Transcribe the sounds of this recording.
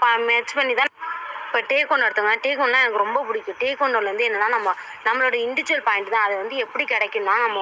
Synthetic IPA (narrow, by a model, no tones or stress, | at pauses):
ɐmɛt͡ʃpɐɳːit̪ãːɪpːɐʈeːkːɔɳɖɐɽɯt̪ːɯŋɡɐʈeːkɔɳɖlãːɛnɐkːɯɾɔmbɐpʊɽɪkʲːʊ̃ʈeːkːɔɳɖɐʋɐnd̪ɯɛnːɐnːaːnɐmːɐnɐmːɐɭoɽɐɪɳɖɪt͡ʃɾɐlpaːɪɳʈt̪ãːɐðɯʋɐnd̪ɯɛpːɐɽikɛɽɛkːɯnːaːnɐmːɐ